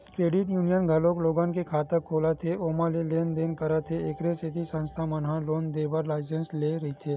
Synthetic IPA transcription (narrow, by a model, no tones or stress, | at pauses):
kɾeːɖɪʈjuːnijənɡʱɐloːkloːɡãːnkekʰaːt̪əɾkʰːoːlat̪ʰeoːmaleleːnd̪eːnkɐɾat̪ʰeɪkɾeset̪ʰisə̃nst̪ʰamɐnɦãloːnd̪eːbəɾlaːɪs̬ẽnsleɾɐɦit̪ʰeː